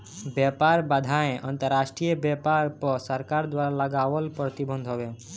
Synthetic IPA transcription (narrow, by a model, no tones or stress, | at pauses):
bjɛpaɾbad̪ʱaẽʔɔnt̪əɾːaʃʈɾiɔbɛpaɾpɔsɔɾkaɾd̪waɾalaɡawɔlpɾɔt̪ibɔnd̪ʱɦɔbe